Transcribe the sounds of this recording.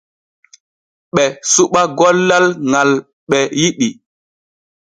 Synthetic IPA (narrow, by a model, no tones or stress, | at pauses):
ɓɛsuɓaɡɔlːalŋal | ɓɛjiɗi